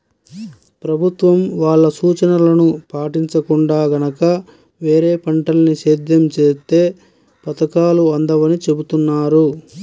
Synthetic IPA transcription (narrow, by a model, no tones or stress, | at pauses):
pɾɐbʱut̪ʋɐmʋaːɭːɐsuːt͡ʃɐnɐlɐnupaːʈiɲt͡ʃɐkuɳɖaːɡɐnɐkɐ | ʋe̞ːɾeːpɐɳʈɐlɐniʃeːd̪jɐmt͡ʃeːst̪e̞ː | pɐt̪ɐkaːluɐnd̪ɐʋɐnit͡ʃe̞but̪unːaːɾu